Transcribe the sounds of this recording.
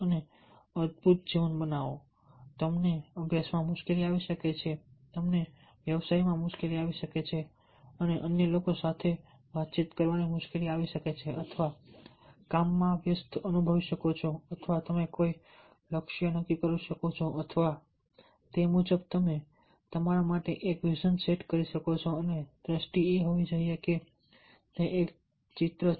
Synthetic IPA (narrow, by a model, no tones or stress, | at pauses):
əne | əd̪̚bʱut̪̚d͡ʒiʋənbənaʋo | t̪əmneəbʱjasmãmʊʃkeliaʋiʃəket͡ʃʰet̪əmne | ʋjəʋsaimãmʊʃkeliaʋiʃəket͡ʃʰe | əneʔənjəlokosat̪ʰe | ʋat̪̚t͡ʃit̪kəɾʋanimʊʃkeliaʋiʃəket͡ʃʰeʔət̪ʰʋa | kamːãʋjəst̪ʰənubʱəʋiʃəkot͡ʃʰoət̪ʰʋat̪əmekoi | ləkʃijənəkːikəɾiʃəkot͡ʃʰoʔət̪ʰʋa | t̪emud͡ʒəb̚t̪əme | t̪əmaɾamaʈeʔekʋid͡ʒənseʈkəɾiʃəkot͡ʃʰoəned̪ɾəsʈieɦoʋid͡ʒəijeke | t̪eʔek | t͡ʃɪt̪ɾə